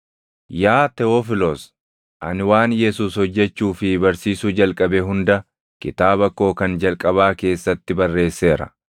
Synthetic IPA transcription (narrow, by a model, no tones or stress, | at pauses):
jaːt̪ɛoːfɪlos | ʔɐ̰nɪwaːnjɛsuːshɔd͡ʒːɛt͡ʃːuːfɪbɐɾsiːsuːd͡ʒɐlkʼɐbɛɦʊnd̪ɐ | kɪt̪aːbɐkːo̞ːkɐnd͡ʒɐlkʼɐβaːke̞ːsːɐt̪ːɪbɐrːe̞ːsːe̞ːɾɐ̰